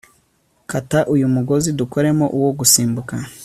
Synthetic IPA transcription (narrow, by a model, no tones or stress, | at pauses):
kataʔujumuɡo̞ziduko̞ɾe̞mo̞ʔuwo̞ɡusiːmbuka